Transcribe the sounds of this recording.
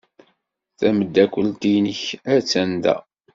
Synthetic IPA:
θæməd̪ːækʷːəlt̪ijnəçæt͡sːænd̪æ̰

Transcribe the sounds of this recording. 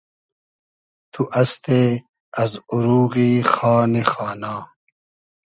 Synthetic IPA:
t̪ʰuʔɐst̪e | ɐzuɾuːɣiːxaːnexaːnaː

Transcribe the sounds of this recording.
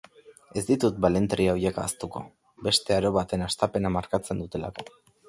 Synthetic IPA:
e̞zd̪it̪ut̪̚bale̞nt̪ɾiaojeka̰ːst̪uko̞̰ | be̞st̪e̞aɾo̞βat̪e̞nast̪ape̞namaɾkat͡se̞nd̪ut̪e̞la̰ko̞

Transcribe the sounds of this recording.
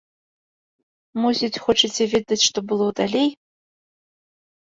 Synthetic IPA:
musit͡sʰʲxoʈ͡ʂʰit͡sʲʰevʲid̪at͡sʲʂt̪obɨlˠodalʲej

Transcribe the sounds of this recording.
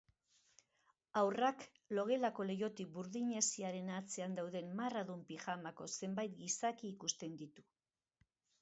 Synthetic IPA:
awrak | lo̞ɣ̞e̞lako̞le̞jo̞t̪ik̚buɾðiɲe̞siaɾe̞nat͡seand̪awðe̞mːaraðumpiʝamako̞se̞mbajt̪̚ɡisakiːkust̪e̞nd̪it̪u

